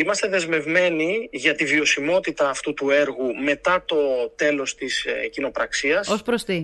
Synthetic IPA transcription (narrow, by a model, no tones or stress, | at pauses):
imɐst̪e̞ðe̞zme̞vme̞niʝɐt̪ivio̞simo̞t̪it̪ɐːft̪ut̪ue̞ɾɣume̞t̪ɐt̪o̞t̪e̞lo̞st̪iscino̞pɾɐksiɐsospɾost̪i